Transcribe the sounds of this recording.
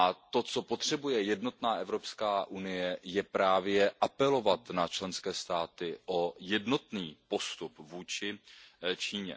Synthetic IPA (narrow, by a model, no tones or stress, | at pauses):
ʔat̪o̞t͡so̞po̞t̪r̝̥ɛbujɛjɛdno̞t̪naːʔɛvɾo̞pskaːʔunɪjɛjɛpɾaːvjɛʔapɛlo̞vat̪nat͡ʃlɛnskɛːst̪aːt̪ɪʔo̞jɛdno̞t̪niːpo̞st̪upvuːt͡ʃɪt͡ʃiːɲɛ̰